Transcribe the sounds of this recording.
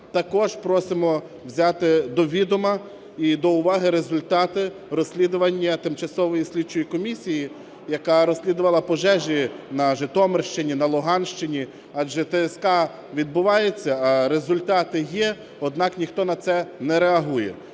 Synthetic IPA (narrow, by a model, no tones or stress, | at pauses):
t̪ɐkɔʒpɾɔsɪmɔ | wzʲɑt̪ɪd̪ɔʋʲid̪ʊmɐ | id̪ɔʊʋɑɦɪɾezʊlʲt̪ɑt̪ɪrɔsʲlʲid̪ʊʋɐnʲːɐt̪ɪmt͡ʃɐsɔʋɔjisʲlʲid̚t͡ʃʊjikɔmʲisʲiji | jɐkɑɾɔsʲlʲid̪ʊʋɐlˠɐpɔʒɛʒʲinɐʒɪt̪ɔmerʃt͡ʃɪnʲinɐlˠʊɦɑnʃt͡ʃɪnʲi | ɑd͡ʒɛt̪ɛɛskɑ | ʋʲid̪̚bʊʋɑjet͡sʲːɐɐɾezʊlʲt̪ɑt̪ɪjɛ | ɔd̪nɑknʲixt̪ɔnɐt̪sɛnɛɾeɐɦujɛ̰